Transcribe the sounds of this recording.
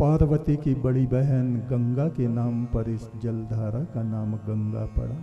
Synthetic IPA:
paːɾʋət̪ikibɐɽibɛɦənɡɐ̃ŋɡakenaːmpɐɾɪsd͡ʒɐld̪ʱaːɾakanaːmɡɐ̃ŋɡa̰pɐ̰ɽaː

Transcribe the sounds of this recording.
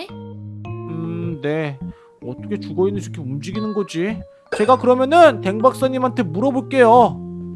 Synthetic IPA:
ɯne̞ | ʌt͈ʌkʰe̞t͡ɕuɡʌinːɯnt͡ɕʰokʰeumd͡ʑiɡinɯnɡʌd͡ʑi | t͡ɕe̞ɡakɯɾʌmjʌnɯnte̞ŋbak̚s͈aɲːimɦantʰe̞muɾʌboɭk͈e̞jo

